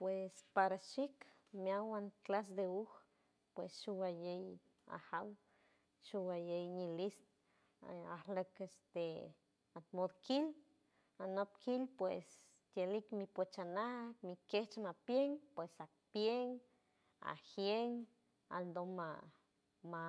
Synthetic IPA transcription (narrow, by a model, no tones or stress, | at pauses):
pwespaɾaʃik | mjawanklas̬d̪euh | pwesʃuwajej | a̰haw | ʃuwajejɲilist̪ | ahləkest̪e | at̪mod̪kil | anop̚kʰilpwes | t̪jelikmipot͡ʃanamikeht͡ʃmapjeŋpwesa | pjeŋ | a̰hjeŋ | a̰ld̪oma | ma